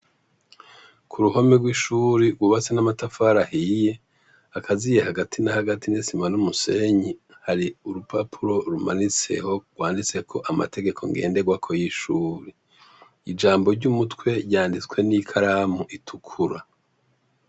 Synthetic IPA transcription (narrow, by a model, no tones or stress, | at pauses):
kʰuɾuho̞meɡwiːʃuːɾiɡwuβat͡senamatafaɾahije̞ | akʰazijehaɡatʰinahaɡatinesimanumuse̞ɲi | haɾiuɾupʰapʰuɾo̞ɾuma̰nit͡se̞̰ho̞ɡwaːndit͡se̞kʰo̞ʔama̰te̞ɡe̞kʰo̞̰ŋɡe̞̰ːnde̞ɡwakʰo̞jiʃuːɾe | id͡ʒaːmbo̞ɾɟumutkwe̞ɾjaːndit͡swe̞nikʰaɾamuʔitʰukʰuɾa